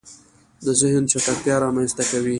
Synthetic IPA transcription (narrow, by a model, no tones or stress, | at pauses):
d̪əzɪhnʃakakt̪jɑɾɑmanst̪akawi